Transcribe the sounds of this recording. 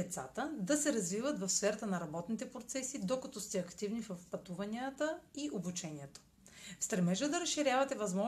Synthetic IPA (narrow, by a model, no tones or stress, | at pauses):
ɛt̪sa̰t̪əd̪ɐsɛɾɐzvivət̪vɐfsfɛɾɐt̪ənɐɾɐbɔt̪nit̪ɛpɾot̪sɛsid̪okɐt̪ɔst̪ɛɐkt̪ivnifəfpɐt̪uvɐniət̪əiʔobut͡ʃɛniɛt̪o̥ | fst̪ɾɛmɛʒəd̪ɐɾɐsʃːiɾʲjavɐt̪ɛvɐzmɔ